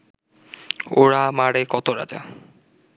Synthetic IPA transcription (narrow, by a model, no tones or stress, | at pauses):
oɾamaɽekɔt̪oɾa̰d͡ʒa̰